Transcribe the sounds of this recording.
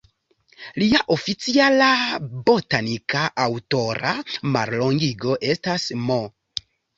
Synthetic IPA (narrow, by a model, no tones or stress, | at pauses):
liaʔo̞fit͡sialabo̞tanikaʔawto̞ɾa̰ma̰ɾlo̞ŋɡiɡo̞ʔe̞stasmo